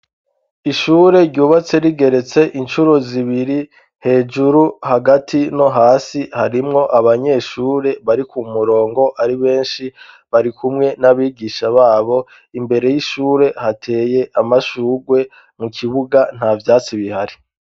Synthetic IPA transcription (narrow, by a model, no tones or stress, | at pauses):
iʃuːɾe̞ɾɟuːβat͡se̞ɾiɡe̞ɾe̞t͡se̞ʔint͡ʃuɾo̞ziβiɾi | he̞ːd͡ʒuɾuhaɡatʰino̞ɦaːsihaɾimŋo̞ʔaβaɲe̞ːʃuːɾe̞βaɾikumuɾo̞ːŋɡo̞ʔaɾiβe̞ːnʃi | βaɾikumŋe̞naβiːɡiʃaβaːβo̞ | imbe̞ɾe̞jiʃuːɾe̞hatʰe̞ːje̞ʔamaʃuːɡwe̞ | mukiβuɡan̥havjaːt͡siβihaɾi